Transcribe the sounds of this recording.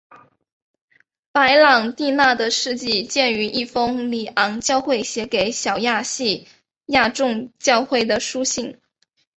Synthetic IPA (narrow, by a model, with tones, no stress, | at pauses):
pa˧˥ɪlɑ˨˩ŋt̪i˥˧na˥˩d̪ə˩ʂɻ̩˥˧t͡ɕi˥˧t͡ɕjɛ˥˩ny˧˥ʔi˥˩fɤ˥ŋli˨˩ʔɑ˧˥ŋt͡ɕjɑ˥˧ʊxwe˥˩ɪɕjɛ˧˥ke˨˧˥ɪɕjɑ˨˩ʊja˥˧ɕi˥˧ | ja˥˧ʈ͡ʂʊ˥˧ŋt͡ɕjɑ˥˧ʊxwe˥˩ɪd̪ə˩ʂu˥ɕi˥˩ŋ